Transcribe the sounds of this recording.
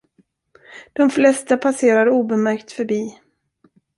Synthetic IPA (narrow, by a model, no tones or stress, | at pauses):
d̪̥ɔmflɛst̪apʰaseːɾad̪əuːbɛmæɾkt̪fœɾbiː